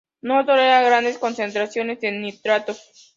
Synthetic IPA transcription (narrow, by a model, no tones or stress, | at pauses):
not̪oɾeaɣɾand̪esko̞nse̞nt̪ɾasjo̞ne̞senːit̪ɾat̪o